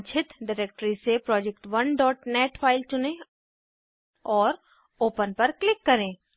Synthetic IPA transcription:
t͡ʃʰɪt̪ɖɪɾeːk̚ʈɾisepɾɔːd͡ʒɛk̚ʈʋɐnɖɔːʈnɛːʈfʰaːɪlt͡ʃʊnẽ | ɔːɾ | oːpənpɐɾklɪkːɐɾẽː

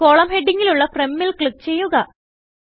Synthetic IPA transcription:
o̞ːɭɐmheɖːiŋɡiluɭːɐfremːilkɭik̚t͡ɕe̞jːuɣɐ

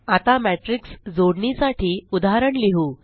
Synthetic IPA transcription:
at̪amæʈɾiksd͡zoɽɳisaʈʰiːud̪aɦaɾəɳliɦuː

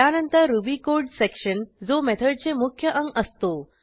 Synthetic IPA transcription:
anənt̪əɾːubikoɾɖsekɕənd͡zomɛt̪ʰəɖ̚t͡semukʰjəʔəŋɡəst̪o

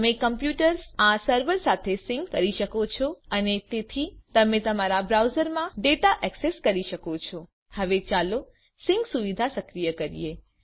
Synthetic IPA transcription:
mekəmpjuʈəɾsãsəɾʋəɾsat̪ʰesɪ̃ŋɡkəɾiʃəkot͡ʃʰɔənet̪et̪ʰit̪əmẽt̪əmaɾabɾawzəɾmãɖeʈaʔɛkseskəɾiʃəkot͡ʃʰo | həʋet͡ʃalo | sɪ̃ŋɡsuʋid̪ʱasəkɾijəkəɾḭje

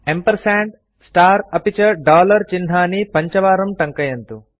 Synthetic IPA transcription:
empɐɾsaːɳʈ | sʈaːɾɐpit͡ʃɐɖaːlɐɾt͡ʃind̪ʱaːnipɐɲt͡ʃɐʋaːɾɐmʈɐŋkɐjɐnt̪u

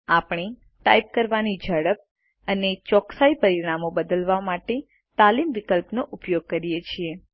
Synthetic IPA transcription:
apɳ̃e | ʈa̰ip̚kəɾʋanid͡ʒʱəɽəp̚ | ənet͡ʃɔksaipəɾiɽ̃amobəd̪əlʋamaʈe | t̪alimʋɪkəlpnoʔupjoɡ̚kəɾijet͡ʃʰie

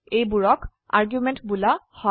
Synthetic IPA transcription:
ejbuɹɔk | aɹɡjumɛ̃ntbulahɔ

